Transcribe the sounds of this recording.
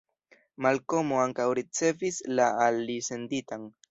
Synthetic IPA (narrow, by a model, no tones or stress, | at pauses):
malko̞moaŋkawɾit͡se̞vislaalise̞nditan